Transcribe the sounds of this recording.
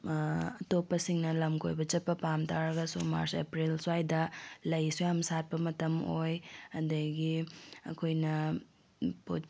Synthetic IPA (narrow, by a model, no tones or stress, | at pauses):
ɐtopːɐsiŋnɐlɐmkʰo̰jbɐt͡ʃɐt̚pːɐpamtʰaɾɐɡɐsuma̰ɾsḛpɾilsajdɐlɐjsujamsat̚pɐmɐtɐmojɐdɐɡiɐ̰kʰojnɐ | po̰